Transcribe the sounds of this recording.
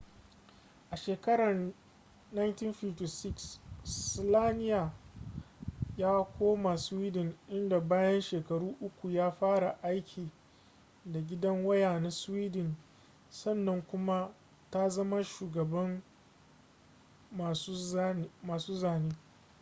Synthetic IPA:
ʔa˨ʃeː˨kɐ˦ɽɐ˨r | na˦jnti˦nɸɪ˦fti˨sɪ˦ksslaː˦nɪ˦jaː˨ | jaː˦kʷoː˦ma˨swiː˦dɪ˨nʔɪ˦nda˨baː˦jɐ˦nʃeː˨kɐ˨ɽuː˦ʔʊ˦kʷu˨jaː˦ɸaː˦ɽa˨ʔa˦jkʲʰiː˨ | da˨ɡʲɪ˦dɐ˦ŋwɐ˦jaː˨na˦swiː˦dɪ˨n | sɐ˦˨nːɐ˦ŋkʷʊ˦ma˦ | ta˦zɐ˦ma˦ʃuː˨ɡɐ˨bɐ˦m | a˨su˦maː˨suː˦zaː˦˨niː˦

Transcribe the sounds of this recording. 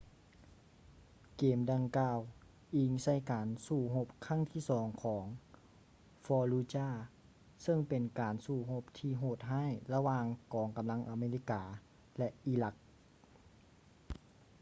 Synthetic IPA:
keː˨mda˨˧ŋkaː˧w | ʔi˧ŋsa˧˩jkaː˨˩nsuː˧˩ɦo˧˥p̚kʰa˧˥˩ŋt̪ʰiː˥˩sɔː˩˦ŋkʰɔː˩˦ŋ | fɔː˧luː˧t͡ɕaː˧˥˩ | sɤ˧˥˩ŋpe˨nkaː˨˩nsuː˧˩ɦo˧p̚t̪ʰiː˧˩ɦoː˧˩t̪̚ɦaː˥˨jla˧waː˧ŋkɔː˨˩ŋka˨mla˧˥ŋʔa˨˧meː˧li˧˥˩kaː˨˦ | lɛ˧ʔʔiː˧la˧k̚

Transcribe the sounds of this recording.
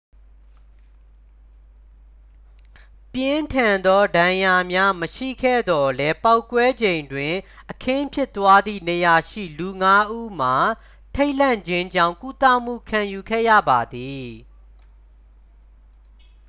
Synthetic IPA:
pjɪ̃˦ntʰã˨nd̪ɔ˦dã˨ja˨mja˦məʃḭ˦˨kʰɛ̰˦˨d̪ɔ˨lɛ˦pa˦ʊkːwɛ˦d͡ʑẽ˨ɪ̃ndwɪ̃˨ | ʔəkʰɪ̃˦pʰjɪ˦ʔt̪wa˦d̪ðḭ˦˨nə˨ja˨ʃḭ˦˨lu˨ŋa˦ʔu˦m̥a˨ | tʰe˦ɪʔl̥ã˦˨ɲd͡ʑɪ̃˦ɲd͡ʑã̰˦˨ŋku˦t̪a̰˦˨m̥ṵ˦˨kʰã˨ju˨ɡʰɛ̰˦˨jä̰˦˨ba˨d̪i˨

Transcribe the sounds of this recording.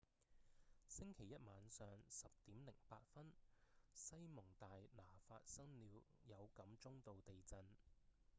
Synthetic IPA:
sɪ˥ŋkʰe˨˩jɐ˥t̚maː˨˧nsœː˨ŋsɐ˨p̚t̪iː˨˥mlɪ˨˩ŋpaː˧t̚fɐ˥nsɐ˥jmʊ˨˩ŋt̪aː˨jlaː˨˩fa̰ː˧t̚sɐ˥ŋliː˨˧wjɐ˨˧wkɐ˨˥mt͡sʊ˥ŋt̪o˨wt̪e˨jt͡sɐ˧n

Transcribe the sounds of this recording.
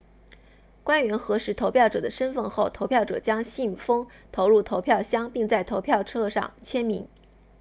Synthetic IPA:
kwa˥nɥɛ˧˥nxɤ˧˥ʂɻ̩˧˥t̪ʰo˧˥ʊpʰjɑ˥˩ʊʈ͡ʂɤ̰˨˩d̪ə˦ʂə˥nfə˥˧nxo˥˩ʊt̪ʰo˧˥ʊpʰjʊʈ͡ʂɤ̰˨˩t͡ɕjɑ˥ŋɕi˥˩nfɤ˥ŋ | t̪ʰo˧˥ʊɻu˥˩t̪ʰo˧˥ʊpʰjɑ˥˩ʊɕjɑ˥ŋpi˥˧ŋt͡sa˥˩ɪt̪ʰo˧˥ʊpʰjɑ˥˧ʊʈ͡ʂʰɤ˥˧ʂɑ̰˥˩ŋt͡ɕʰjɛ˥nmi˧˥ŋ

